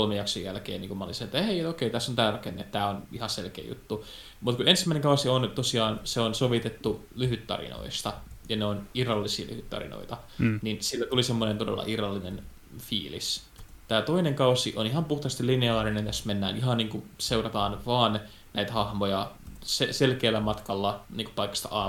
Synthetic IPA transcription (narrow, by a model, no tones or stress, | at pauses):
kolmejjɑksojjælkḛːniːŋkumæolḭnsɑnet̪ːæheiet̪okeit̪æsːont̪æːrɑkenːḛt̪t̪æːonihɑselkḛːjṵt̪ːu | mut̪kuensi̥mæˑineŋkɑusiont̪osiɑːnseonsoʋit̪et̪ːu | lyhyt̪ːɑ̰rḭno̰ist̪ɑjɑneonirɑlːisḭːly̰hyt̪ːɑ̰rḭno̰it̪ɑninsilːæt̪ulisemːonent̪odḛlːɑ̰ʔirɑlːinen | fḭːlḭs | t̪æːt̪oineŋkɑusiʔonihɑmpuht̪ɑst̪ilineɑːrinent̪æsmenːæ̰ːniɦɑnniːŋkuseurɑt̪ɑːnʋɑːn | næit̪æhɑhmojɑseselkeːlːˑæmɑt̪kɑlːɑniːŋku̥pɑikːɑ̥st̪ɑ̰ɑː